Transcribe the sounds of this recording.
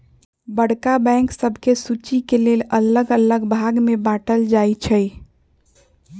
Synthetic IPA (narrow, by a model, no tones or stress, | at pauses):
bəɽ̤kabɛ̃ŋksəbʱkesut͡ʃikelelələɡələɡbʱaɡmebaʈəld͡ʒajt͡ʃʰəj